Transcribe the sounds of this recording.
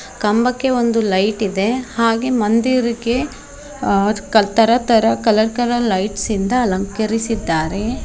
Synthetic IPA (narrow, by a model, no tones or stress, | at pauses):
kɐmbɐkːe̞ond̪ulɐjʈid̪e̞haːɡe̞mɐnd̪iɾiɡe̞ | kɐt̪ɐɾɐt̪ɐɾɐkɐlɐɾkɐlɐlɐjʈsind̪ɐːlɐŋkɐɾisid̪ːaːɾe